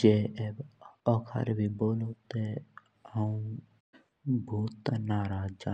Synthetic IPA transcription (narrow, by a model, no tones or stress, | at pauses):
d͡ʒeːeːbɔːkʰa̰ːɾbʱiːboːloːt̪e | ɦəũ | bʱuːt̪naːɾaːd͡ʒd͡ʒaː